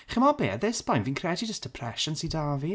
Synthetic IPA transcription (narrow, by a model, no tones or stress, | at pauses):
χəmɔbḛːðɪspɔjnviːnkʰrɛdid͡ʒəstd̥əpʰr̥ɛʃənsidavi